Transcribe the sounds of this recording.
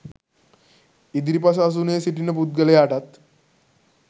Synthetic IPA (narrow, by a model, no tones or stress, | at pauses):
id̪ɾipas̬aːs̬uːnesiʈinːəput̪̚ɡəleaʈat̪